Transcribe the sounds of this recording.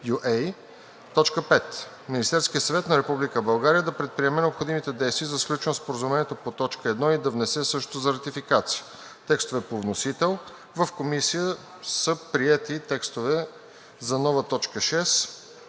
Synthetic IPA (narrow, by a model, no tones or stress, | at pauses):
juʔɛj | t̪ɔt͡ʃkəpɛt̪ | minʲist̪ɛɾsk̟ijəsɐvɛt̪nɐɾɛpublikəbɐlˠɡaɾijəd̪ɐpɾɛt̪̚pɾiɛmɛnɛopxod̪imit̪ɛd̪ɛjst̪viəzɐsklʲut͡ʃɛnspoɾəzumɛnʲiɛt̪opot̪ɔt͡ʃkəɛd̪nɔid̪ɐvnɛsɛsɤʃt̪ot̪ozɐɾɐt̪ifikat̪siə | t̪ɛkst̪ovɛpovnosit̪ɛlˠ | vəfkomisijə | səpɾiɛt̪it̪ɛkst̪ovɛ | zɐnɔvət̪ɔt͡ʃkəʃɛs